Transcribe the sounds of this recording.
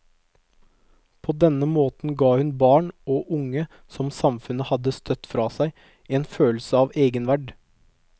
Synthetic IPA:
pʰoːd̪ɛnəmoːt̪n̩ɡɑːhʉnbɑːɳoːʔʊŋə | sɔmsɑmfʉnəhɑd̪əst̪ʰœt̪fɾɑːsæɪ | eːnføːlsəɑːʋeːɡənʋæɖ

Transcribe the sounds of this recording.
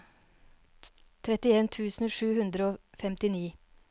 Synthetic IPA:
t̪ʰɾɛt̪ɪeːnt̪ʰʉːsn̩ʂʉːhʉnd̪ɾəoːfɛmt̪ɪniː

